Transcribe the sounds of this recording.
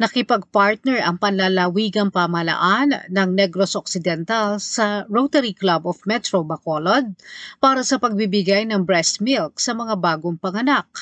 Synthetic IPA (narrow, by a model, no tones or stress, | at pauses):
nɐkɪpɐɡ̚paɹt̪̚nɛɹʔɐŋpɐnlɐlawiːɡɐŋpamɐlɐ̰ʔanːɐŋnɛɡɾosʔok̚sɪd̪ɛnt̪alsɐɹowt̪ɛɾiklabofmɛt̪ɾomɐkolod̪̚paːɾɐsɐpɐɡ̚bibɪɡajnɐŋbɹɛst̪̚mɪlk̚sɐmɐŋabaːɡoŋpɐŋɐnak̚